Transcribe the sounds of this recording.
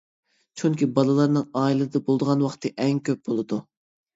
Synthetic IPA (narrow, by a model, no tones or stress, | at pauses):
t͡ʃʰyŋkʲibɑlˠɨlˠɑɾnɨŋɑːilˠɨd̪əbolˠd̪əʁɑnwɑχt̪ʰɨʔɛŋkʲʰøp̚b̥olˠɨd̪u